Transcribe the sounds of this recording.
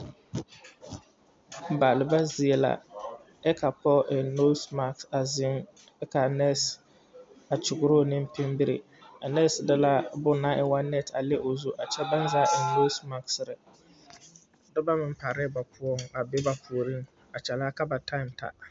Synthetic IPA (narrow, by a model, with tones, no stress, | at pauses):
baː˨lɪ˨ba˦zi˨e˨la̰˨ | ɛ˦kʰa˨pɔ˦ʔɛ˨no˦sma˨ksa˨zɪ˦ŋ | ɛ˦ka˨nɛ˦s | a˨t͡ʃʊ˨ɡʊ˨ɾo˦˨nɪ̃˦m˦pɪ˦mbɪ˦ɾɪ̰˨ | a˨nɛ˦sdɪ˦la˦bʊ˦na˦ʔɛ˨wa˦nɛ˦ta˨lɪ˦ʔo˨zu˦ʔa˨t͡ʃɛ˦ba˦n˦zaː˦ɪ˨no˦sma˦ksɾɪ˨ | dʊ˦ba˦mɪ˨m̩˦pa˨ɾɪ˦ba˨pʰʊ˦ɔ˦ŋa˨bɪ˦ba˨pʰu˨ɾi˦ŋ | a˨t͡ʃɛ˨la˦ka˦ba˨tʰa˦ɪ˨mta̰˨